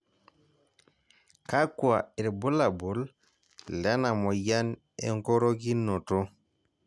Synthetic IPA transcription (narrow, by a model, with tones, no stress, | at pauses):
ka˦kua˨ɛ˨ɾbɔ˦la˨bu˨l | lɛ˦na˨mɔ˨ja˦n | ɛ̰˨ŋkɔ˦ɾo˦ɡi˦nːɔ˨tɔ˦